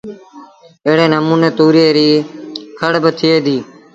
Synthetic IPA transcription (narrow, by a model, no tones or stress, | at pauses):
eːɽeːnəmuːneːt̪uːɾeːɾiːkʰəɽbət̪ʰɪeːd̪iː